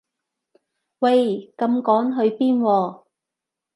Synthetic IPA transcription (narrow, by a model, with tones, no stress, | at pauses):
wɐ˧jkɐ˧mkɔː˨˥ŋɦɵ˨˧ɥpiː˥nwɔː˧